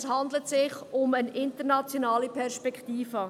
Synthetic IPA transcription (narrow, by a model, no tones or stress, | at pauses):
shɑnd̪lətsɪχʊmənɪntəɾnɑt͡sjonɑːlipʰɛɾʃpɛkʰtiːfə